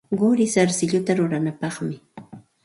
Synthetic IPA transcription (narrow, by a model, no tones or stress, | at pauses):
ɢʊɾɪsaɾsɪʎʊt̪aɾʊɾanapɑχmɪ